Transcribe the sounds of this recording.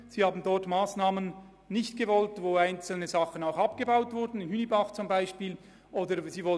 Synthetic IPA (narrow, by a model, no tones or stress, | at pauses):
z̥iːhaːbn̩dɔʁtmaːsnaːmən | nɪçtɡ̥əvɔltvoːaɪnt͡sl̩nəzɑχənaʊxapɡ̥əbaʊtv̥ʊɾdn̩ɪnhynibaχt͡sʊmbaɪʃpiːl | ʔoːdəziːvɔl